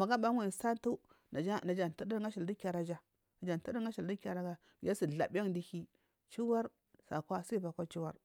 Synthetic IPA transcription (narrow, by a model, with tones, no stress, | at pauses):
ma˨ɡa˦ba˦ŋʷa˨sa˦n˦tu˦ | na˨d͡ʒa˦na˨d͡ʒa˨n˨tu˦də˦ŋɡa˦ʃi˨ldi˦ka˨ɾa˨d͡ʒa˨ | na˨d͡ʒa˨n˨tə˦də˦ɡa˦ʃi˨ldi˦ka˨ɾa˦ɡa˨ | ja˦si˨ɮa̰˨ba˦ŋdi˦hi˦ | t͡ʃi˦wa˦ɾ | sa̰˨kʷa˦si˦ba˨kʷa˦t͡ʃi˦wa˦ɾ